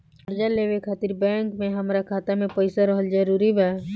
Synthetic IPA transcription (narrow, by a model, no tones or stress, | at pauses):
əɾd͡ʒalewekʰaːt̪iɾbɛ̃ːŋkmẽɦəmɾakʰaːt̪amẽpəɪsaɾəɦəld͡ʒəɾuɾibʱɛ